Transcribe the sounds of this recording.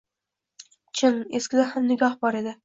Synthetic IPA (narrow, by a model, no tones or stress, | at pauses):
t͡ʃʰɪneskʲɪlaɾhamnɪɡʲɒhbɒɾe̞d̪ɪ